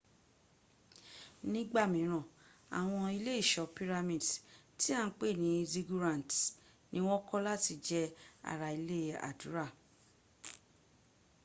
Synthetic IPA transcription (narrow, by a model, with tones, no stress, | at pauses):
nĩ˦ɡ͡ba˦˨mĩ˨˦ɾ̃ã˨a̰˨w̃ɔ̃˧i˧le˦i˦˨ʃɔ˨pi˦ɾa˧mĩ˦˨dti˦a˦˧˦k͡pe˦˨nĩ˨˦zi˦ɡu˦ɾã˦˨t | nĩ˦w̃ɔ̃˦kɔ˦la˦ti˧d͡ʒɛ˧a̰˨ɾa˨i˧le˦˨a̰˨du˨˦ɾa˦˨